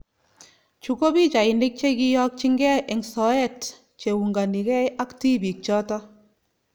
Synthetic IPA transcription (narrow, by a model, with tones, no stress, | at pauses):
t͡ʃu˨ko˦bi˦t͡ʃa˨ɪ˨nɪ˦k̚t͡ʃe˦ki˦jɔ˦k̚t͡ʃi˦ŋɡɛ˦ʔɪ˨ŋsɔ˨ɛ˦˨t | t͡ʃe˨wu˨ŋɡa˨ni˨kɛ˦jʔa˦kti˦bi˨k̚t͡ʃɔ˦tɔ˦